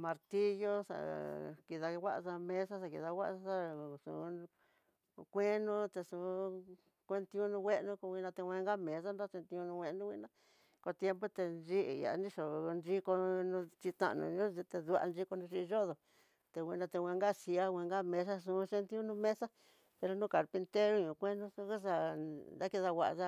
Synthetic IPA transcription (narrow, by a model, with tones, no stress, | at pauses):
mã˧ɾt̪i˦jo˦sa̰˧˨ki˧ða˧wʷa˦ʔsa˧mẽ˦s̬a˦sa˧ki˧ða˧wʷa˦ʔsa˧sa˦˨sṵ̃˨˧ | kʷe˦nũ˦t̪e˧ʂũ˧˨˦ | kʷe˦nt̪ĩ˧ũ˦nũ˧wʷe˦ʔnũ˧˦ko˧wʷi˧nã˧t̪e˧wʷẽ˧ŋɡa˦mẽ˨s̬a˦no˦se˧nt̪ĩ˧ũ˧nũ˧wʷe˧nũ˦ḭ̃˦˧nã˧˦ | ko˧t̪je˦mpo˦t̪e˧nʒi˦ʔi˨ja̰˨˧˦nĩ˦ʂo˨nd͡ʒi˦ko˧nũ˧t͡ʃi˧t̪a̰˧ʔnṵ̃˧ɲũ˦i˧t̪e˧ðu˧a̰˧nd͡ʒi˦ko˧nũ˧ʃi˧ʒo˦ðo˨ | t̪e˧wĩ˧nã˧t̪e˧wʷẽ˧ŋɡa˦˨si˧a˦wʷẽ˧ŋɡa˦mẽ˧s̬a˦sũ˧˦ʃe˧nt̪i˦u˦nũ˧mẽ˦sa˦ | pe˧ɾo˧nũ˦ka˨ɾpi˧nt̪e˦ɾo˦ɲũ˧˨kʷe˦nũ˧sũ˧˦ku˦s̬a˧nd̪a˦ki˧ða˧wa˨ʔa˧ʒa˦˧